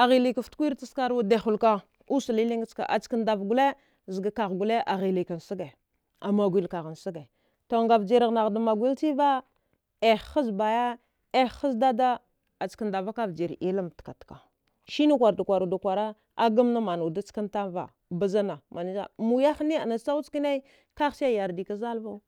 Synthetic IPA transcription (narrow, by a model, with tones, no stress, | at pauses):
a˨ɣi˨li˨ka˨ftkʷi˦ɾt͡si˦ska˦ɾwa˦de˨xu˨lka˦ | u˦su˨li˦li˦ŋ˦t͡ʃka̰˨ʔa̰˨t͡ʃkə˨nda˨vɡu˨le˦ | zə˨ɡa˨ka˨ɣɡu˨le˦ʔa˨ɣi˨li˨ka˨n˨si˦ɡe˨ | a˨ma˨ɡʷi˨lka˨ɣa˨nsi˦ɡa˨ | to˨ŋɡa˨vd͡ʒi˨ɾa˨ɣna˨ɣda˨ma˨ɡʷi˦lti˦va˦ | e˨a˦sba˨ja˦ | e˦xa˦sda˦da˦ | a˨t͡ʃkə˨nda˨va˦ka˦vd͡ʒi˨ɾi˦la˦m˨tka˨tka˨ | ʃi˦nu˦kʷa˨ɾdu˨kʷa˨ɾu˨da˨kʷa˨ɾa˦ | a˦ɡa˦mna˦ma˨nu˨da˦t͡ska˦nta˦va̰˨ | ba˦za˦na˨ma˨ni˦d͡ʒa̰˦˨mu˨ja˦xni˦a̰˨na˨sa˦u˦t͡ski˦ne˦ | ka˦ɣsa˦ja˨ɾdi˨ka˦za˦lva˦u˦